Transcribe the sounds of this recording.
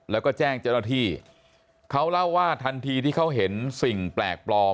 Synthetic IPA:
lɛː˦˥wkɔː˥˩t͡ɕɛː˥˩ŋt͡ɕa˥˩naː˥˧t̪ʰiː˥˩ | kʰa˦˥wla˥˩wːaː˥˩t̪ʰa˧nt̪ʰiː˧t̪ʰiː˥˩kʰa˦˥wɦe˩˦nsi˨˩ŋplɛ̰ː˨˩k̚plɔː˧

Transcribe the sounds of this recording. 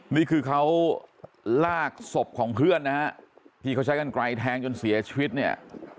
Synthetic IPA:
niː˥˩kʰɯː˧kʰa˦˥w | laː˥˩k̚so˨˩p̚kʰɔː˩˦ŋɦɯ˥˩ənna˦˥t̪ʰiː˧˩kʰa˥wt͡ɕʰa˦˥jka˧nkɾa˧jt̪ʰɛː˦˥ŋt͡ɕo˧nsi˩˦ɐt͡ɕʰi˧wi˦˥t̪̚ni˥˩ɐ

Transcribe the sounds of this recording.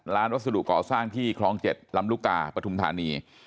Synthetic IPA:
ɾaː˦˥nwa˥t̪̚sa˧dṵ˨ʔkɔː˨˩saː˥˩ŋt̪ʰiː˥˩kʰɾɔː˦˥ŋt͡ɕe˨˩t̪̚la˧˥mluː˥˩k̚t̪a̰ː˧pɾa˧t̪ʰu˧mt̪ʰa̰ː˨˩˦niː˧

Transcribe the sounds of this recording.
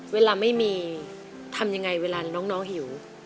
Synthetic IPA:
weː˧laː˧ma˥˩jmiː˧ | t̪ʰa˧mja˧ŋːa˧jweː˧laː˧nɔː˦˥ŋnɔː˦˥ŋɦi˩˦w

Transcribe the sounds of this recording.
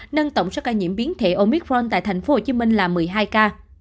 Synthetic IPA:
nə˧nt̪ə˧˨wŋ͡msəː˨˦˥wkaː˧˩jɲḭ˧˨əmɓi˨˦ənt̪ʰḛ˧˩ʔo˧mi˦˥k̚ɹɔ˧nt̪a̰ː˧˨jt̪ʰa˨˩ŋ̟fo˨˦ho˧˩t͡ɕi˨˦mï˧ŋ̟laː˨˩mɨ˨˩əjɦaː˧jkaː˧

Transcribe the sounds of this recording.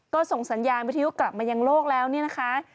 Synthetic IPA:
kɔː˥˩so˨˩ŋsa˨˩˦njaː˧nwt̪ʰa˧ju˦˥kla˨˩p̚maː˧ja˧ŋloː˥˩k̚lɛː˦˥wni˥˩ɐna˦˥kʰa˦˥

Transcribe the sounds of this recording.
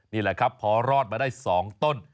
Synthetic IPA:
niː˥˩lɛ˨˩kʰɾa˦˥pʰːɔː˨˦ɾɔː˥˩t̪̚maː˧daː˥˩jsɔː˩˦ŋt̪o˥˩n

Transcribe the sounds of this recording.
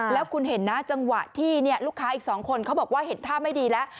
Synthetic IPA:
lɛː˦˥wkʰu˧nhe˩˦nːa˦˥t͡ɕa˧ŋwa˨˩t̪ʰiː˥˩ni˥˩ɐluː˥˩kʰːaː˦˥ʔiː˨˩k̚sɔː˩˦ŋkʰo˧nkʰa˦˥wbɔː˨˩k̚waː˥˩ɦe˩˦nt̪ʰaː˥˩ma˥˩jdiː˧lɛ˦˥ʔ

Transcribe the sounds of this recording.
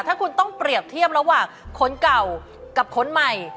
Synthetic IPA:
t̪ʰaː˥˩kʰu˧nt̪ɔ˥˩ŋpɾi˨˩əp̚t̪ʰi˥˩əm̚ɾa˧waː˨˩ŋkʰo˦˥nka˨˩w | ka˨˩p̚kʰo˨˦˥nma˨˩j

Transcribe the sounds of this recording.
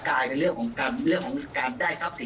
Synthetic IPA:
kaː˧jna˧jɾɯ˥˩əŋkʰɔː˩˦ŋkaː˧nɾɯ˥˩əŋkʰɔː˩˦kaː˧ndaː˥˩jsa˦˥˩p̚si˨˩˦

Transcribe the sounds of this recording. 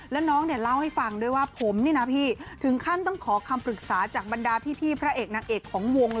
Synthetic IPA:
lɛ˦˥wnɔː˦˥ŋni˥˩ɐla˥˩wha˥˩jfa˧˩ŋdɤː˧˩˨jwaː˥˩pʰo˩˦mniː˥˩na˦˥pʰiː˥˩t̪ʰɯ˨˩˦ŋkʰa˥˩nt̪ɔ˥˩ŋkʰɔː˩˦kʰa˧mpɾɯ˨˩k̚saː˩˦t͡ɕaː˨˩k̚ba˧ndaː˧pʰiː˥˩pʰiː˥˩pʰɾa˦˥ʔeː˨˩k̚na˨˩ŋ̚ʔeː˨˩kʰːɔː˩˦ŋwo˧ŋ

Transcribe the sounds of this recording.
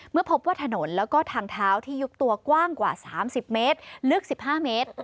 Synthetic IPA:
mɯ˥˩ɐpʰo˦˥p̚waː˥˩t̪ʰa˧no˩˦nlɛː˦˥wkɔː˥˩t̪ʰaː˧ŋt̪ʰaː˦˥wt̪ʰiː˥˩ju˦˥p̚t̪u˧ɐkwaː˥˩ŋkwa̰ː˨˩saː˩˦msi˨˩p̚meː˦˥t̪̚lɯ˥˩ək̚si˨˩p̚haː˥˩meː˦˥t̪̚

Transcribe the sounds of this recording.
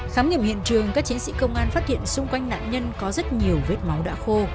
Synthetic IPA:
xaː˨˦mɲḭ˧˨mhḭ˧˨ənt͡ɕɨ˨˩əŋkaː˦˥k̚t͡ɕi˨˦nsḭ˧˥kə˧wŋ͡mʔaː˧nfaː˦˥t̚tʰhḭ˧˨ənsʊ˧ŋ͡mkwa˧jŋ̟na̰ː˧˨nɲə˧nkɔ˨˦zə˦˥t̚ɲi˨˩əwve˦˥t̚ma˨˦wɗa̰ː˧˥xo˧

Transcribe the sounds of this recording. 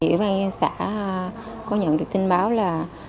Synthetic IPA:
ḭ˧˩˨wɓaː˧ŋ˧sa̰ː˧˩˥ | kɔ˨˦ɲə̰˧˨nɗɨ˨˩ək̚t̪i˧ŋɓaː˨˦wlaː˨˩

